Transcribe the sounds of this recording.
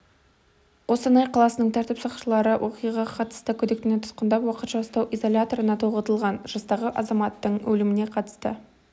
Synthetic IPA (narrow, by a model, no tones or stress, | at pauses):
qo̞sɑnɑjqʰɑlˠɑsənəɴt̪ʰæɾt̪ɪpsɑqʃəlˠɑɾəwʔo̞qijʁɑqʰɑt̪ə̥st̪əkʲʰɵd̪e̞k̚t̪ɪnet̪ʰʊ̥t̪qənd̪ɑpwɑqət̪ʃɑɑst̪ɑwʔizo̞lʲat̪o̞ɾənɑt̪ʰoʁət̪əlˠʁɑnʒ̥ɑst̪ɑʁəʔɑzɑmɑt̪ːəɴwʔɵlɪmɪne̞qʰɑt̪ə̥st̪ə